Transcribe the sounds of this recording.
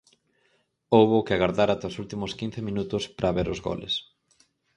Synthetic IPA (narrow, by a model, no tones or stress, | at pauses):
owβokɪaɣaɾðaɾat̪aosult̪imʊskin̟θemĩnut̪ʊspɾʔaβeɾʊzɣɔ̰lḛs